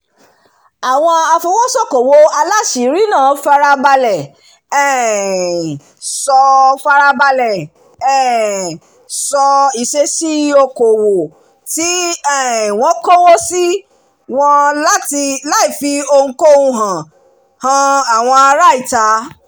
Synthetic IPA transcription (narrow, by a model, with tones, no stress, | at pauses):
a˨w̃ɔ̃˧a˧fũ˧w̃ɔ̃˦sɔ˦ko˨wo˧˦a˧la˦ʃi˨˦ɾi˦nãː˦˨˦fa˧ɾa˧ba˧lɛ˨ | ɛ˦˨ | sɔ˧fa˧ɾa˧ba˧lɛ˨ | ɛ˦˨ | sɔ˧i˨ʃe˧˦si˦o˧ko˨wo˨ | ti˨˦ɛ˨w̃ɔ̃˨˦kɔ˦wɔ˦si˦ | w̃ɔ̃˧la˦ti˧la˦i˨fi˨˦o˧ŋ̩˧˦ko˦ũ˧ɦã˨ | hã˧a˨w̃ɔ̃˧a˧ɾa˦i˦˨ta˨˦